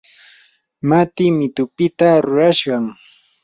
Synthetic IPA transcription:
mat̪ɪmɪt̪ʊpɪt̪aɾʊɾaʃɢɑŋ

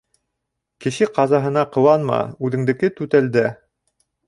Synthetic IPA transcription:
kɘ̆ɕɘqɑzɑɦɤ̆nɑqɤ̆wɑnmɑ̰ʉðɘ̆ŋd̪ɘ̆kɘt̪ʉt̪æld̪æ

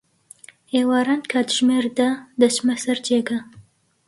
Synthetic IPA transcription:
heːwɑːɾaːnkʰaːd̪ʒmeːɾd̪ɐd̪ɐt͡ʃmɛsɐɾd͡ʒeːɡɐ

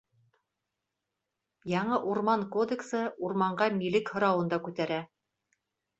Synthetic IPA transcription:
jɑɴɤʔuɾmɑŋkod̪eksɤuɾmɑɴɢɑmilɘkhŏɾɑwɤ̆nd̪ɑkʉt̪æɾæ

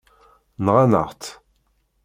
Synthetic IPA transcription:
nʁanə̰ʁt̪

